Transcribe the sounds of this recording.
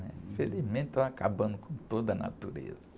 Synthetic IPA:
nɛ̃felizmẽt̪t̪ɐakabɐ̃nd̪ʊkʰõt̪od̪ɐna̰t̪uɾḛzɐ

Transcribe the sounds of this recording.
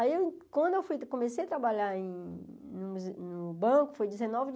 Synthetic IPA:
aiew̃kwɐ̃nd̪ʊewfujkõmesejɐt̪ɾabaʎaẽ | nʊmuznʊbɐ̃kʊfojd͡ʒizẽnɔvʊd͡ʒ

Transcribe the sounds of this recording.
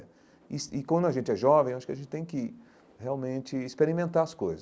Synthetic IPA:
isɪkwɐ̃nd̪ʊaʒẽnt͡ʃɪɛʒɔvẽj̃ewaʃʊ̥kɪɐʒẽt͡ʃɪt̪ẽj̃kɪ | heawmẽnt͡ʃɪːspeɾimẽnt̪aɐskojzɐ

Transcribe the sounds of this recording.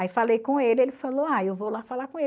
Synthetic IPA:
jfalejkõelɪelɪfaloajewvowlafalakõe

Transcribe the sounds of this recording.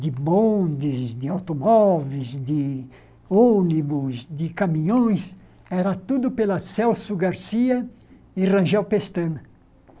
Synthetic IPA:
d̪ɪbõnd̪izd̪ɪawt̪omɔvezd̪ɪ | onibʊzd̪ɪkamĩɲõj̃s | ɛɾɐt̪ud̪ʊpelɐsɛwsuɡaɾsiɐ | irɐ̃ʒɛwpest̪ɐ̃n

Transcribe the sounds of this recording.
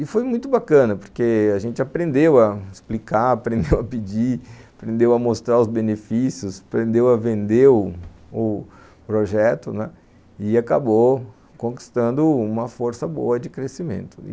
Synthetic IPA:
ɪfojmũj̃t̪ʊbakɐ̃nɐpoɾkeaʒẽnt͡ʃɪapɾẽnd̪ewɐɪsplikaapɾẽnd̪ewɐpid͡ʒiapɾẽnd̪ewɐmost̪ɾaʊzbenefisiʊsḁpɾẽnd̪ewɐvẽnd̪e | ʊ | pɾoʒɛt̪ʊnɛ | ɪaka̰bo | kõki̥st̪ɐ̃nd̪ʊũmɐfoɾsɐbo̰ɐd͡ʒɪkɾesimḛ̃nt̪ʊ̥̰

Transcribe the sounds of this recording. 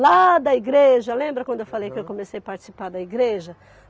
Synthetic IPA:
lad̪ɐiɡɾeʒɐlẽmbɾɐkwɐ̃d̪ʊewfalejkɪewkomesejɐpaɾt͡ʃɪ̥sipaɾd̪ɐiɡɾeʒɐ

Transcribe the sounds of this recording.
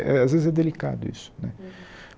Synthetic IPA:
ɛ̰azvezɪzɛd̪elika̰d̪ʊḭsʊ̥nɛ̰

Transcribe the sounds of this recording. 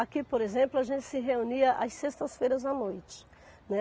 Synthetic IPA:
akipoɾezẽmplʊaʒẽnt͡ʃɪ̥sɪɦeũniɐʔɐssest̪ɐsfejɾɐzɐnojt͡ʃɪ̥ | nɛ

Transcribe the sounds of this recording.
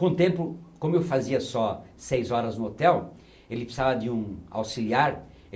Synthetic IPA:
kõt̪ẽmpʊkõmʊewfaziɐsɔsejzɔɾɐznʊot̪ɛw | elɪpsavɐd̪ɪũa̰wsiliaɾ

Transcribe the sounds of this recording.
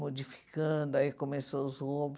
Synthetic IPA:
mod͡ʒifi̥kɐ̃d̪ʊaikomesoʊzob

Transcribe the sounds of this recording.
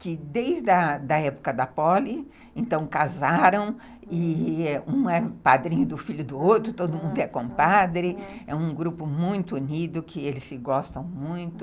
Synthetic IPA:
kɪd̪ejzd̪ɐd̪ɐɛpʊ̥kɐd̪ɐpɔlɪ | ẽnt̪ɐ̃w̃kazaɾɐ̃w̃ | ɪũɛpad̪ɾĩɲʊd̪ʊfiʎʊd̪ʊowt̪ɾʊt̪od̪ʊmũnd̪ʊɛkõpad̪ɾɪɛũɡɾupʊmũj̃t̪ʊunid̪ʊkʰɪelɪsːɪɡɔst̪ɐ̃w̃mũj̃t̪ʊ

